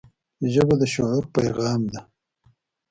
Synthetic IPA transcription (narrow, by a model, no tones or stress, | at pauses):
ʒəbad̪əʃoʕʊɾpajɣɑːmd̪a